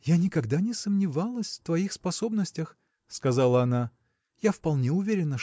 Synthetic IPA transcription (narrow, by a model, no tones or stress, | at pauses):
janʲɪkɐɡd̪anʲɪsəmnʲɪvalˠəsʲft̪vɐixspɐso̞bnəsʲtʲəx | skɐzalˠəɐna | jafpɐlˠnʲeʊvʲeɾʲɪnə